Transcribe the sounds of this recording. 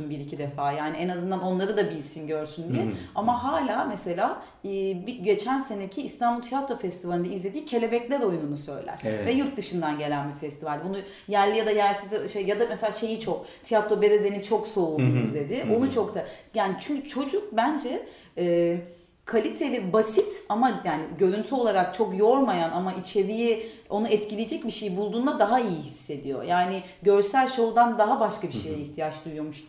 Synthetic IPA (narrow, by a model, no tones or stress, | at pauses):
mbiɾicʰid̪efaːjaːniɛnazɯnd̪ano̞nlˠaɾɯd̪abilʲsinɟø̞ɾsynd̪ijɛamaɦaːlʲaːmɛse̞lʲaː | biɟe̞t͡ʃʰænse̞necʰiːst̪ʰanbulˠt̪ʰijat̪ɾo̞fɛst̪ʰivalʲind̪aizlʲe̞d̪iːcʰe̞lʲe̞bɛclʲæɾo̞jununusø̞̰jlʲæ̰ɾ̥ɛvɛjuɾk̪̚d̪ɯʃɯnd̪anɟe̞lʲænbifɛst̪ʰivalʲd̪ɛbunu | jæɾlʲijad̪ajæɾlʲsizʃejjad̪amɛselʲaːʃe̞jit͡ʃʰo̞kt̪ʰijat̪lˠo̞be̞ɾeze̞nit͡ʃʰo̞ksoːizlʲe̞d̪ɪonut͡ʃʰo̞ksajaːnit͡ʃʰyɲcʰyt͡ʃʰo̞d͡ʒuk̚bænd͡ʒɛ | ɛː | kʰalʲit̪ʰelʲibasit̪amajaːnɪɟø̞ɾynt̪ʰyo̞lˠaɾak̚t͡ʃʰo̞kjo̞ɾmajanamaʔit͡ʃʰe̞ɾijio̞nuɛt̪cilʲijed͡ʒɛcbiʃejibulˠd̪uːnd̪ad̪aɦaijiɦisːe̞d̪ijo̞̰jaːnɪ | ɟø̞ɾsælʲʃo̞ld̪and̪aɦabaʃkabiʃejɛiçt̪ʰijat͡ʃd̪ujjo̞muʃ